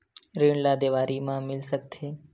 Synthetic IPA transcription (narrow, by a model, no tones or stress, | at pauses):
ɾiɳlaːd̪eːʋaːɾimãmɪlsək̚t̪ʰeː